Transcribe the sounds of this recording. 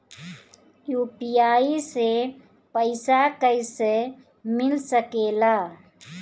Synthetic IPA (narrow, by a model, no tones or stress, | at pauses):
juːpijaːise | pəɪsakəɪse | mɪlsəkeːlaː